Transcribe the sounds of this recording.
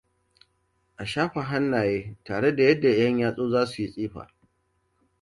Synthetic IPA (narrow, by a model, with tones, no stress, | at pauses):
ʔa˨ʃaː˦ɸa˨ɦa˦nːaː˨jeː˦taː˨ɽe˦da˨jɐ˦dːa˨jɐ˦ɲjaː˦sʼoː˦zaː˦su˨ji˦sʼiː˦ɸa̰ː˨